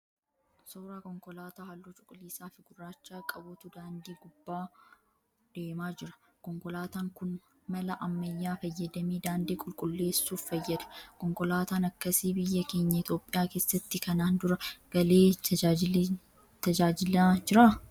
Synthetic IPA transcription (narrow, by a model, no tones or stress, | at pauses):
soːɾaːkɔŋkɔlaːt̪aːhɐlːot͡ʃʼʊkʼʊliːsaːfɪɡʊrːaːt͡ʃːaːkʼɐbʊt̪ʊd̪aːnd̪iːɡʊbːaː | d̪̥eːmaːd͡ʒɪɾɐ̥ | kɔŋkɔlaːt̪aːŋkʊn | mɐlɐʔɐmːɐjːaːfɐjːɐd̪ɐmiːd̪aːnd̪iːkʼʊlkʼʊlːe̞ːsːuːffɐjːɐd̪ɐ̥kɔŋkɔlaːt̪aːnɐkːɐsiːbɪjːɐke̞ːɲːɐɪt̪jo̞ːpʼːɪjaːke̞ːsːɐt̪ːɪkɐnaːnd̪ʊɾɐɡ̥ɐle̞ː | t̪ɐd͡ʒaːd͡ʒɪlad͡ʒɪɾa